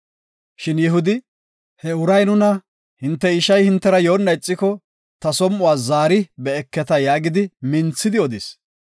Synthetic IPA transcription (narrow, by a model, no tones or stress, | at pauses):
ʃɪnjɛɦʊd̪ɪ | hɛʊɾɐjnʊnɐ | hɪnt̪ːɛɪʃɐjhɪnt̪ːɛɾɐjo̞ːnːɐɪt͡sʼːɪkɔ | t̪ɐsɔmʔʊwaːzaːɾɪbɛːkːɛt̪ɐjaːɡɪd̪ɪmɪnt͡sːɪd̪ɪɔd̪ɪs